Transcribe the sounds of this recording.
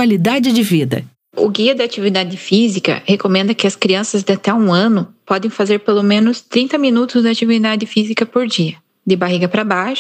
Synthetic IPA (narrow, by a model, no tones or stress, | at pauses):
alid̪ad͡ʒɪd͡ʒɪvid̪ɐ̰ | ʊ̰ɡiɐd̪ɐat͡ʃivid̪ad͡ʒɪfizikɐ̰hekomẽnd̪ɐkɪɐskɾiɐ̃sɐzd̪ɪat̪ɛũɐ̃nʊpɔd̪ẽj̃fazeɾpelomẽnʊst̪ɾĩnt̪ɐmĩnut̪ʊzd̪ɪat͡ʃivid̪ad͡ʒ̪ɪfizikɐpoɾd͡ʒiɐ | d̪ɪbaɦiɡɐpɾɐbaʃʊ̥